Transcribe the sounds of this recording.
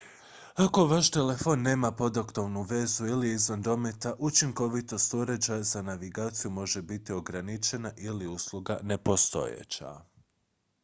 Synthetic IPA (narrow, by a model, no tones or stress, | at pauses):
ako̞ʋaʃt̪e̞le̞fo̞nːe̞ːmapo̞d̪akt̪oʋnuʋe̞zuiliizʋanɾo̞met̪aʔut͡ʃiŋko̞ʋit̪o̞st̪uɾed͡ʑajazanaʋiɡaːt̪sijumo̞ʒe̞bit̪io̞ɡɾanit͡ʃe̞naʔiliuslˠuɡane̞po̞st̪o̞̰jḛt͡ɕa̰